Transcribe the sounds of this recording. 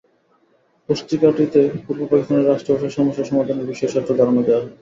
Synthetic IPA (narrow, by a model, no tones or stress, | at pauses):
poʃt̪ɾikaʈit̪epuɾbopakist̪aneɾːaʃʈɾobʱaʃaʃɔmoʃːaʃɔmad̪ʱoneɾbiʃɔeɾʃʰat̪ːɾod̪aɾanod̪ɛa